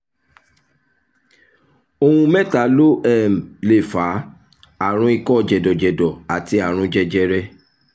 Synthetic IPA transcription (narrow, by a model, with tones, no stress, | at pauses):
o˧hũ˧mɛ˦˨ta˨˦lo˦ɛ˦˨m̩˨le˨fa˨˦ | a˦˨ɾ̃ũ˨˦i˧kɔ˦˨d͡ʒɛ˨dɔ˨d͡ʒɛ˨dɔ˨a˨ti˧a˨ɾ̃ũ˧˦d͡ʒɛ˧d͡ʒɛ˧ɾɛ˦